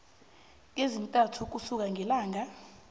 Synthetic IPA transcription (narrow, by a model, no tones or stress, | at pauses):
ezintʼatʰuk̬usuk̬aŋʱɛlaːŋa